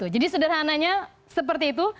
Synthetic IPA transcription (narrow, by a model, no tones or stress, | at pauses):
ud͡ʒadisudarɦanaɲa | səp̬ərt̪iːt̪u